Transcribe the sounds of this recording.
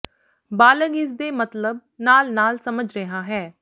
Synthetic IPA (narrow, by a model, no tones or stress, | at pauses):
baːləɡɪsd̪eːmət̪ləb̚ | naːlnaːlsəməd͡ʒɾəɦãːɦɛː